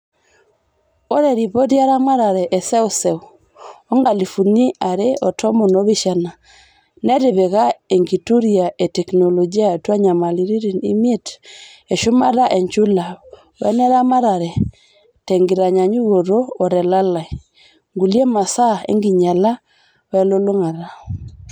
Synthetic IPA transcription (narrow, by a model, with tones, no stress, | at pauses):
o˦ɾɛ˨ɾi˨pɔ˦tja˦ɾa˦ma˦ɾa˨ɾɛ˨ʔɛ˨sɛ˦o˦sɛ˨u˨ | ɔ˦ŋɡa˨li˨fu˨ni˦ʔa˨ɾe˦ʔɔtʰɔ˦mo˨nɔ˦βi˦ʃa˨na˨ | nɛ˦ɾe˨βɛ˨ɣa˦e˨ŋɡi˨tu˦ɾi˨a˨ʔe˨tɛ˨knɔ˨lɔd͡ʒi˦a˦twa˦ɲa˨ma˨li˨ɾi˦ɾi˨ni˦mie˦t | e˨ʃʊ˦ma˦ɾa˦ʔɛ˨ɲt͡ʃu˦la˨ | ɛ̰˦nɛ˦ɾa˦ma˦ɾa˨ɾɛ˨ | tɛ˨ŋɡi˨ɾa˨ɲa˨ɲu˦ɣo˨ɾoː˦˨ɾɛ˨la˦la˨i˨ | ŋɡu˨li˦e˦ma˨sa˦ḛ˦ŋɡi˨ɲa˨la˦ | wɛ˦lo˦lo˦ŋa˨ɾa˨